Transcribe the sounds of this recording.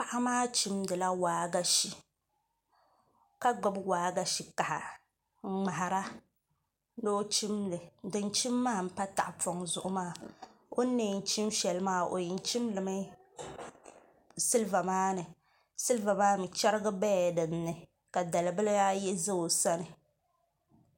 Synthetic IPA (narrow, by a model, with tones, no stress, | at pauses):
pa˦ʔa˦maː˦t͡ʃi˦mdɨ˨la˦waː˨ɡa˦ʃi˨ | ka˦ɡ͡ba˨bwaː˨˦ɡa˨ʃi˨ka˨ha̰˨˦ | ŋ͡ma˨ɦa˨ɾa˦ | no˦t͡ʃi˦mdɨ˨dɨ˨nt͡ʃi˦mːaː˦˨m̩˦pa˦ta̰˨ʔpɔ˨ŋzʊ˨ʔʊ˦maː˦˨o˦ne˨n̩˨˦t͡ʃi˦mʃɛ˨lmaː˦˨o̰˨ji˨n˦t͡ʃi˦mlɨ˨mɨ˦ | sɨ˦lva˨maː˦nɨ˨ | sɨ˦lva˨maː˦mɨ˨t͡ʃɛ˦ɾɨ˦ɡa˦bɛ˦˨dɨ˨m˦nɨ˨ | ka˨da˨lɨ˨bɨ˦ljaː˦jɛ˦zɨ˦o˨sa˦nɨ˨